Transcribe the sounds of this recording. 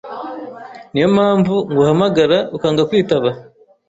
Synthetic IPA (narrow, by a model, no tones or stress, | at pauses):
nijo̞maːɱvuŋɡuhamaɡaɾaukaːŋɡakwiːtaβa